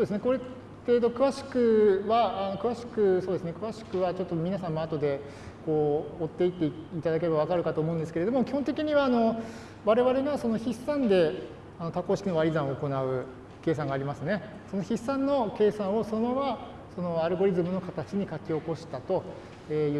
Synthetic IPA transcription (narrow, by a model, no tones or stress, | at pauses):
sod̪e̞sɨneko̞ɾe | t̪eːd̪o̞kɯ̟βaɕi̥kɯ̟βaːno̞kɯ̟βaɕi̥kɯ̟so̞ːd̪esɨne̞kɯ̟βaɕi̥kɯ̟βat͡ɕo̞t̪ːomʲinasãmːoat̪o̞d̪e̞ | ko̞ːt̪ːe̞it̪ːe̞it̪ad̪ak̬e̞ebaβ̞akaɾɯ̟kat̪oːmõnd̪e̞sɨ̥keɾe̞d̪omo̞kʲi̥hõnt̪e̞kʲiɲ̟iβaːno̞ | βaɾe̞βaɾe̞ɡaso̞no̞çisːãnd̪e̞ | ano̞t̪ako̞ːɕi̥kʲino̞βaɾʲizãɰ̃oːko̞naɯ̟ | ke̞ːs̬ãŋɡaːɾʲimasɨne̞ | so̞no̞çisːãnːo̞ke̞ːsãɰ̃o̞so̞no̞βa | so̞no̞aɾɯ̟ɡo̞ɾʲizɨmɯ̟no̞kat̪at͡ɕiɲ̟ikakʲio̞ko̞ɕi̥t̪at̪o̞ | eːjɯ